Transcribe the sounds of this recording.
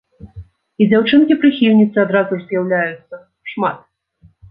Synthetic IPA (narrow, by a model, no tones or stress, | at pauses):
id͡zʲawt͡ʂɨnkʲipɾɨxʲiwʲnʲit̪sɨad̪ɾazurzjawlʲajut̪sːɐ | ʂmat̪̚